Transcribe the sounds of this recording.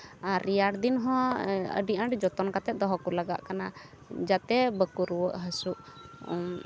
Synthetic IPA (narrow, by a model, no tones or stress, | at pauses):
aɾijaɽd̪inɦɔ̃ə̰ɖiʔaɳɖd͡ʒɔt̪ɔnkat̪ɛt̪̚d̪ɔɦɔkulaɡa̰ʔkana | d͡ʒat̪ɛbəkuɾuwəʔɦəsuʔ